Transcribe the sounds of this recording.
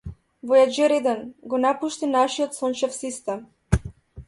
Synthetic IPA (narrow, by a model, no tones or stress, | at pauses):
vɔjad͡ʒɛɾɛd̪ɛnɡɔnapuʃt̪inaʃiɔt̪sɔnt͡ʃɛfsist̪ɛm